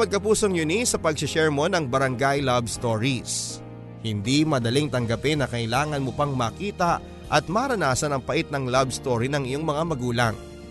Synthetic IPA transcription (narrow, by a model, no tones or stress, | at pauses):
mɐɡ̚kɐpuːso̞ŋjʊnisɐpɐɡ̚sɪʃɛɹmo̞nɐŋbɐɾɐŋɡajlɐbst̪oɹis | hɪnd̪imɐd̪ɐliŋt̪ɐŋɡɐpɪnːɐkɐʔɪlaːŋɐnmopɐŋmɐkiːt̪ɐ | ʔɐt̪̚mɐɾɐnaːsɐnɐŋpɐʔit̪̚nɐŋlabst̪oːɾinɐŋɪjo̞ŋmɐŋamɐɡuːlɐ̰ŋ